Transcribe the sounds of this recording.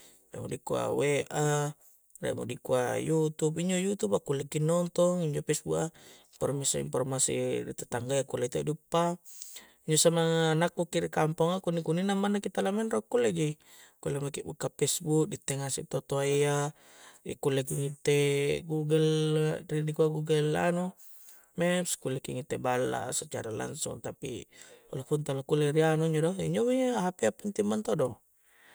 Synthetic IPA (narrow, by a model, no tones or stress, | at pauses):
rḛmo̰dikua̰weʔa | rḛmo̰dikua̰jut̪upiɲd͡ʒojut̪upakːulekinɔnt̪ɔŋiɲd͡ʒopesbuʔaimpɔrmisḭmpɔrmasḭdḭt̪et̪aŋɡajakulet̪edupːa | iɲd͡ʒosamaŋːnakːukiɾikampɔŋakunikuninamːanakit̪alamɛnrokːuleɡi | kulemakibukːapesbuk̚dit̪ːeŋasḭt̪ot̪oaia | ḭkulekiŋit̪ːeɡuɡɛlridikuaɡuɡəla̰nu | mɛpskulekiŋit̪ːebalːa̰sat͡ʃa̰ɾala̰ŋsṵŋt̪apḭṵlafunt̪alakuleɾianuiɲd͡ʒodɔḭɲd͡ʒomiaɦapeapint̪imbant̪odɔŋ